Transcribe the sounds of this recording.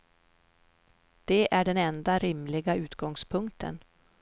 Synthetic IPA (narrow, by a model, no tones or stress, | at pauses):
d̪̥ɛʔæɖɛnɛnd̪aɾɪmlɪɡaʉ̟ːt̪ɡɔŋspʰɵŋk̚t̪ʰə̰n